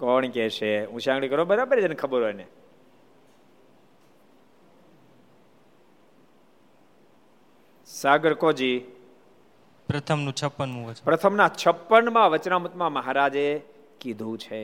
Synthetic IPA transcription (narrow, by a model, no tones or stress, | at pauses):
kɔɳkɛʃeɦũʃãɡɭikəɾobəɾabəɾed͡ʒənekʰəbəɾɦojne | saɡəɾkod͡ʒi | pɾət̪ʰəmnũt͡ʃʰəpːənmũʋəpɾət̪ʰəmnat͡ʃʰəpːənmãʋət͡ʃnamut̪mãməɦaɾad͡ʒe | kid̪ʱũt͡ʃʰe